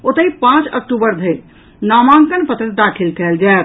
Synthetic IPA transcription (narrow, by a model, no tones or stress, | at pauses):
ot̪əipãt͡ʃə̰k̚ʈubəɾd̪ʱəɾ | namaŋkənpət̪ɾəd̪akʰilkɛld͡ʒaː